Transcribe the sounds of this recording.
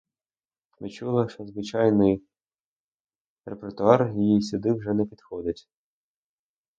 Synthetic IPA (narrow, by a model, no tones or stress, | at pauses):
ʋɪt͡ʃulˠɪʃɔzʋɪt͡ʃɑjnɪj | repert̪ʊɑrjjijsʲʊd̪ɪwʒɛnɛpʲid̪xɔd̪ɪtʲ